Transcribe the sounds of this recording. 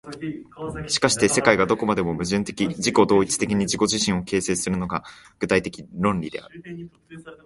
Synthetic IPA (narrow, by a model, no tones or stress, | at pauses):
ɕi̥kaɕi̥t̪e̞se̞kaiɡad̪o̞ko̞mad̪e̞mo̞mɯ̟ʑɨ̃nt̪e̞kʲiʑiko̞d̪o̞ːit͡sɨ̥t̪e̞kʲiɲ̟iʑiko̞ʑiɕĩɰ̃o̞ke̞ːse̞ːsɨɾɯ̟no̞ɡa | ɡ̥ɯ̟t̪ait̪e̞kʲiɾõ̞nɾʲid̪e̞a̰ɾɯ̟